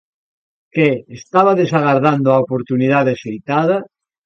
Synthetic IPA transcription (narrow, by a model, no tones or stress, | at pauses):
keːst̪aβaðesaɣaɾðand̪oaopoɾt̪uniðaðesejt̪aða